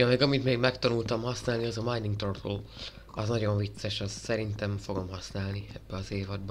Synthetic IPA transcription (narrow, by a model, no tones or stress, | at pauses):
ɒmeːɡɒmit̪meːɡmɛkt̪ɒnult̪ɒmhɒsnaːlniɒzɒmajniŋɡt̪ort̪oː | ɒznɒɟo̞ɱvit̪sɛʃɒzsɛɾint̪ɛɱfo̞ɡo̞mɦɒsnaːlniɛbːɛɒzeːvɒd̪̚b